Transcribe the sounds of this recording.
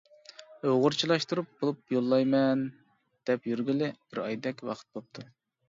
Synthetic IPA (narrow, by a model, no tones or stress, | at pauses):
øʁʊɾt͡ʃʰilˠɑʃt̪uɾup̚b̥olˠupjolˠːɑjmɛn | d̪̥ɛpjyɾɡʲilɪb̥ɪɾɑ̰jd̪ɛkʲwɑ̰qʰə̥t̪̚bop̚t̪ʰu